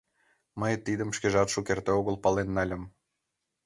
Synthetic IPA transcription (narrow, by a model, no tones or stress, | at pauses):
məjt̪id̪əmʃkeʒɑt̪ʃukert̪eoɣəlpɑlenːɑlʲə̆m